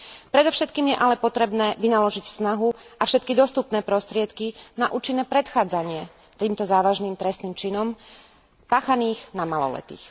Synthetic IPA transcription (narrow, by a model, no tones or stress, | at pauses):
pɾɛd̪ɔfʃɛt̪kiːmjɛʔalɛpɔt̪ɾɛbnɛːʋinalɔʒicsnaɦuafʃɛt̪kid̪ɔst̪upnɛːpɾɔst̪ɾɪɛt̪kinaʔuːt͡ʃinːɛːpɾɛt̪xaːd͡zaɲɪɛ | t̪iːmt̪ɔzaːʋaʒniːmt̪ɾɛst̪niːmt͡ʃinɔm | paːxaniːxnamalɔ̰lɛ̰t̪ḭːx